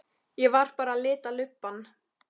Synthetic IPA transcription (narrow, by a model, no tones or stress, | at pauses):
jɛvaɾ̥paːɾaːlɪːt̪alʏpːan